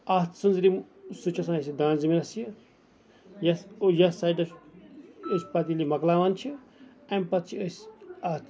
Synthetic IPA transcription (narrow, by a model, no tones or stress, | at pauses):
at̪ʰsɨnzɾi | sut͡ʃʰɐsãːɐsʲid̪ãːnziminɐsjɐ | jɐsjɐsaɖɐ | əsʲpɐt̪̬ilimɐklaːʋaːnt͡ʃʰi | ɐmʲpɐt̪̚t͡ʃʰiəsʲat̪